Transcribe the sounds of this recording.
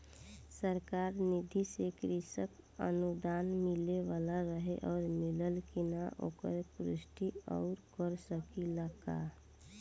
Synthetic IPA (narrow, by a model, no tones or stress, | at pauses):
səɾkaːɾnɪd̪ʱisekɾɪsəkə̰nud̪aːnmɪleʋaːlaɾəɦeʔɔːɾmɪləlkinaʔo̰ːkə̰ɾpɾɪʃʈiɔ̰ːɾkəɾsəkiləɡa̰